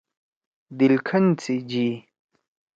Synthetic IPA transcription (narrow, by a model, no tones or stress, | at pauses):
d̪ilkʰɐnt͡sʰid͡ʑi